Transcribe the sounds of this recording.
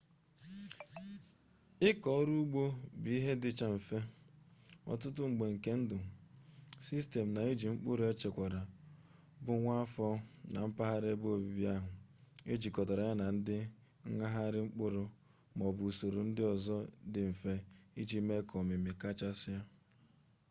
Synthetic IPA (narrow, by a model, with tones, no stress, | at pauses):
ɪ˦kɔ˨˦ɾu˦u˦ɡ͡bo˦bi˨˦i˦ɦe˦dɪ˦t͡ʃa˦ɱ̩˨fe˦ | ɔ̰˨tʊ˦tʊ˦ŋ͡m̩˨ɡ͡be˨ŋ̩˨ke˦n̩˦dʊ˨ | si˦ste˨m̩˨na˨e˦d͡ʒi˨ŋ͡m̩˦k͡pʊ˦ɾʊ˦e˦t͡ʃe˨kʷa˨ɾa˨ | bʊ˨ŋʷa˦a˦fɔ˦na˨m̩˦pa˦ɦa˦ɾe˦bo˦˨bi˨bi˦a˦ɦʊ˨e˦d͡ʒi˨kɔ˨tɔ˨ɾa˨ja˦na˨n̩˦dɪ˦ | ŋ̩˦ŋa˦ɦa˦ɾɪ˦ŋ͡m̩˦k͡pʊ˦ɾʊ˨ | mɔ˨bu˨so˨ɾo˨n̩˦dɪ˦ɔ˨zɔ˦dɪ˨m̩˨fe˦i˦d͡ʒi˦me˦kʰɔ˨me˨me˨ka˦t͡ʃa˦sɪ˦a˦